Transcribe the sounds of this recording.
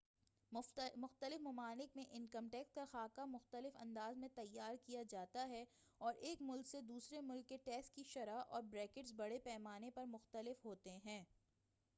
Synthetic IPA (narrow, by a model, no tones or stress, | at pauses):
mʊxt̪əlɪfmɐmaːnɪkmẽʔɪnkɐmʈɛːkskaxaːkamʊxt̪əlɪfɐ̰̃nd̪aːzmẽt̪ɐjːaːɾkijad͡ʒaːt̪aɦɛ | ɔːɾʔeːkmʊlksed̪uːsɾemʊlkːeʈɛːsʈkiʃɐɾaʔɔːɾbɾɛːkɪʈsbɐɽepɛːmaːnepɐɾmʊxt̪əlɪfɦoːt̪eɦɛ̃ː